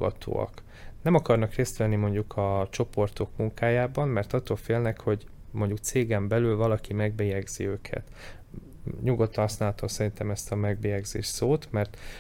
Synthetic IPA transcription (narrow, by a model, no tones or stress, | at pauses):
ɡɒ̰t̪ʰo̰ːɒ̰k | nɛmɒkɒrnɒkreːst̪ʋɛnːimo̞ɲɟukʰɒt͡ʃo̞po̞rt̪o̞kmuŋkaːjaːbɒmmɛrt̪ɒt̪ːoːlfeːlnɛkho̞ɟ | mo̞ɲɟuk̚t̪seːɡɛmbɛlylvɒlɒkimɛɡbeːjɛɡz̥ḭøːkʰɛ̰t̪ | ɲuɡo̞t̪ːɒnɦɒsnaːlɒt̪omsɛɾint̪ɛmɛst̪ɒmɛɡbeːjɛɡzḛːʃsoːt̪mɛrt̪